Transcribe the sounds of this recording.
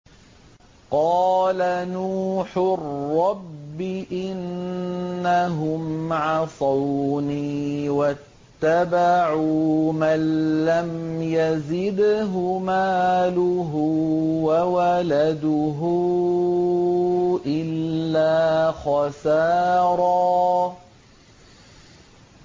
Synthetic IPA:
qɑːlanuːħʊrːɑbːɪʔɪnː | aɦʊmʕɑsˤɑwniːwat̪ːabaʕuːmanːamjazɪd̪ɦʊmaːlʊɦʊwawalad̪ʊɦʊ | ʔɪlːaːxɑsɑːɾˤɑː

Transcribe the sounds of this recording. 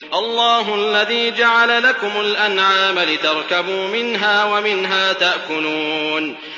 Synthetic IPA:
ʔɑlˤːɑːɦʊʔalːaðiːd͡ʒaʕalalakʊmʊlʔanʕaːmalɪt̪ɑɾˤkabuːmɪnɦaːwamɪnɦaːt̪aʔkʊluːn

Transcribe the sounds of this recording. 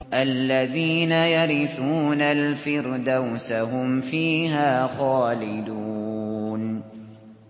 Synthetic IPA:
ʔalːaðiːnajaɾɪθuːnalfɪɾd̪awsaɦʊmfiːɦaːxaːlɪd̪u | n

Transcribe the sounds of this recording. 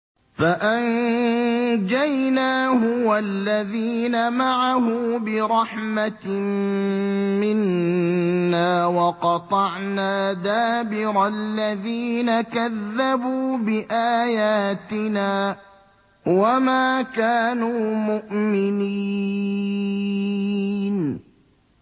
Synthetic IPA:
faʔan | d͡ʒajnaːɦʊwalːaðiːnamaʕaɦʊːbɪɾˤɑħmat̪m | mɪnː | aːwɑqɑt̪ˤɑʕnaːd̪aːbɪɾalːaðiːnakaðːabuːbɪʔaːjaːt̪ɪnaː | wamaːkaːnuːmʊʔmɪni | n

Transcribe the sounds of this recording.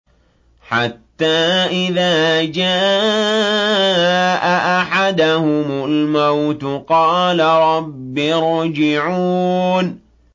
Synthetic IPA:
ħat̪ːaːʔɪðaːd͡ʒaː | ʔaʔaħad̪ahʊmalmawt̪qɑːlaɾˤɑbːiɾˤd͡ʒɪʕuːn

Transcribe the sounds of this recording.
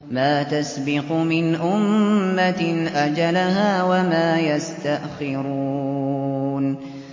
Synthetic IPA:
maːt̪asbɪqʊmɪnʔʊmːaʔad͡ʒalaɦaːwamaːjast̪aʔxɪɾuuː | n

